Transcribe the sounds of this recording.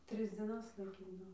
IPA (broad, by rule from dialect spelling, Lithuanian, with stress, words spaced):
ˈtʲrʲɪs d͡zʲiɛˈnɐs lˠɐɪˈkʲiːdɐʋoː